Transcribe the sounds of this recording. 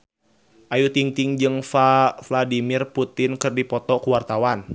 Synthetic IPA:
ʔajut̪iŋt̪iŋd͡ʒɨŋfafladimirput̪ɪnkɨrdipɔt̪ɔkuwart̪awan

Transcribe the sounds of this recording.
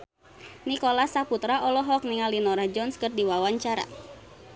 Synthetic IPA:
nikɔlasaput̪ɾaʔɔlɔɦɔk̚niŋalinɔɾad͡ʒɔnskɨrdiwawaɲt͡ʃaɾa̰

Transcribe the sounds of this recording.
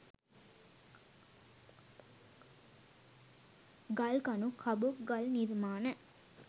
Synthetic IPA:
ɡɐlkɐnukʰɐbuɡɐlniɾmaːnə

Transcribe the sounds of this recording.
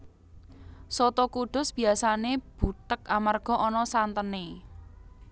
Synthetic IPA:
sot̪ɔkuɖ̪̥ʊ̤sb̥i̤asaneb̥ṳt̪əkamarɡ̥ɔ̤ʔɔnɔsant̪əne

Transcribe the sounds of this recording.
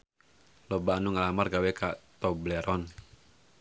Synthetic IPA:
lɔbaanuŋalamarɡawɛkat̪ɔblɛɾɔn

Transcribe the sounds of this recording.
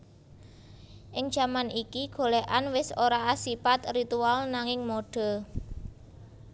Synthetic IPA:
ʔɪŋ̥ʒ̥a̤manikiɡ̥o̤leʔanwɪsoɾaːsipat̪rit̪ualnaŋɪŋmoɖ̥ɔ̤

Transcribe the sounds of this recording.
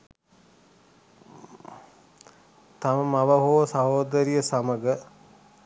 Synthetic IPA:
t̪aməmaʋəɦoːsɐɦoːd̪əɾijəsaməɡə

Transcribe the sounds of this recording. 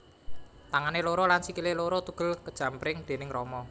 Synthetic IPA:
t̪aŋaneloɾɔlansikileloɾɔt̪uɡ̥ə̤lkəd̥ʒ̥ä̤mpɾɪŋd̪̥e̤nɪŋrɔmɔ

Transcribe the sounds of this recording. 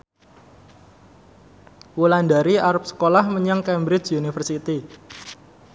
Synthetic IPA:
wulandaɾiaɾʊp̚sə̥kolahməɲaŋkɛmbɾɪt͡ʃunifərsit̪i

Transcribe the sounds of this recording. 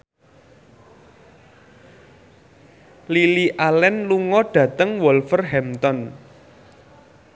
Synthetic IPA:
liliʔalɛnluŋɔɖ̥ä̤t̪əŋwɔlfərɦɛmt̪ɔn

